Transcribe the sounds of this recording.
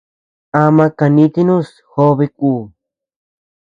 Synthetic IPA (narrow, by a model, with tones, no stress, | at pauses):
a˧mã˧ka˧nĩ˧˦t̪i˦nũ˦s | xo˦βe˧kuː˧˨